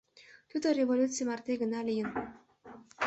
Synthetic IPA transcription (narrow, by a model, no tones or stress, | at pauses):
t̪ʲud̪ərʲevolʲut̪t͡s̪ɨjmart̪eɡə̆nɑlʲijən